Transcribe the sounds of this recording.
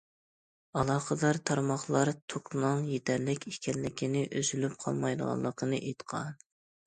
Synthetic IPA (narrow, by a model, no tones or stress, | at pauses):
ɑlˠɑːχəd̪ɑɾt̪ʰɑɾmɑχlˠɑɾt̪ʰoknɨŋjet̪ʰɛɾlɪkʲikʲʰɛlːɪkʲinɪʔøzylyp̚qʰɑ̰lˠmɑjd̪ə̰ʁɑ̰lˠːəqʰənɨʔejt̪qʰɑ̰n